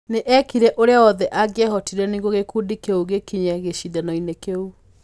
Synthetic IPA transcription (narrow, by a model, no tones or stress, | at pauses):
neʔɛkiɾɛʔoɾeaɔðɛʔaɡeɛɦɔtiɾɛniɣɡoɣekuːdikeuɣekiɲɛɣeɕiðɛnɔinekeu